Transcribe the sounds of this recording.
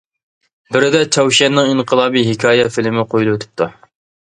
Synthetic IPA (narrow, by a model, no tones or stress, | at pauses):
bɪɾɪd̪ɛt͡ʃʰɛwʃɛnːɨŋiɴqʰəlˠɑːbiɦɪkʲʰɑːjɛfɪlɪmɪqʰojlˠuwøt̪ʰɪ̥p̚t̪ʰu